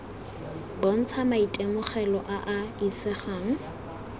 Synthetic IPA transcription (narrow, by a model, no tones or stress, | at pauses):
bon̩t͡sʰamaitʼemʊχɛlɔʔaʔaisɛχaːŋ̩